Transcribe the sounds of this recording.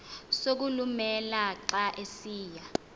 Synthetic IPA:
sok̬ulumɛlaǁaʔesiːja

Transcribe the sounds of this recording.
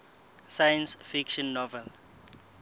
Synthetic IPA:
sajə̃nsfikʃɔ̃nːɔvɛl

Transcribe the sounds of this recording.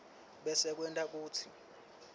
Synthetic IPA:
ɓɛsɛk̬wɛntʼak̬uːt͡sʰi

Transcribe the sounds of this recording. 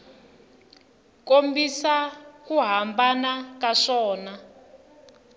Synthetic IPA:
kombisakuɦambanakaʂɔːna

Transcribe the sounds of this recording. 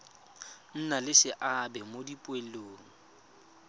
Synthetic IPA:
n̩nalɪsɪʔabɛmodipʼweloːŋ̩

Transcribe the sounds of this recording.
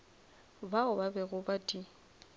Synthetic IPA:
baʊbabɛɣʊbadʼi

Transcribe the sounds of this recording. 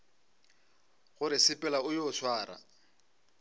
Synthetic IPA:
ɣʊɾɪsɪpʼɛlaʊjɔːsʰwaːɾa̰

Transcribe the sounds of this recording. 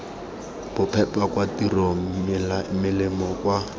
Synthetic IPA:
b̥ʊpʰɛpʼakwatirom̩mɪlaɪmɪlɪmɔkwa

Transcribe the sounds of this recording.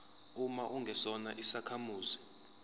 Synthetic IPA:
umaʔuŋɡʱɛsɔna̰ʔisakʰamuːzi

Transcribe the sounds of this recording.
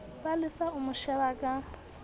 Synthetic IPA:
palɪsaʊmʊʃɛβakʼa

